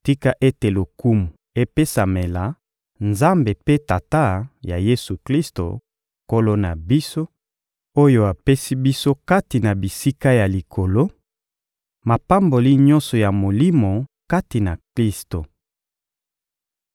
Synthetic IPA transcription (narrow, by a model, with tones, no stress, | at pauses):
ti˦ka˦ʔe˦te˨lo˨ku˦mu˨ | e˦pe˦sa˨me˨la˨ | nza˦mbe˨pe˦ta˨ta˦ja˨je˦su˨kli˦sto̰˨ | ko˦lo˦na˨bi˦so˦ | o˦jo˦a˨pe˦si˦bi˦so˦ka˦ti˨na˨bi˨si˦ka˦ja˨li˨kʰo˨lo˦ | ma˨pa˦mbo˨li˦ɲɔ̃˦nsɔ˨ja˨mo˨li˦mo˨ka˦ti˨na˨kli˦sto˨